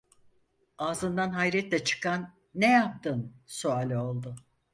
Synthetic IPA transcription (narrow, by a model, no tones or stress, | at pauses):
aːzɯnd̪anɦajɾɛt̪lʲɛt͡ʃʰɯ̥kʰanː | ejap̚t̪ʰɯnsuaːlʲo̞lˠd̪ʊ